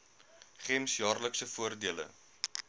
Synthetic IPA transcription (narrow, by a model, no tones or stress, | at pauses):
χɛmsjɑːrləksəfuərdiələ̰